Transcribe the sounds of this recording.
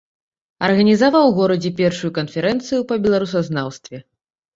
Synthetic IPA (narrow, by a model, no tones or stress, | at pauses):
ɐ̰rɣɐnʲizavawɣɔɾɐd͡zʲɛpʲɛrʂujukɐnfʲɛɾɛnt̪sɨjupɐbʲɛlˠaɾus̬ɐznawst̪vʲɛ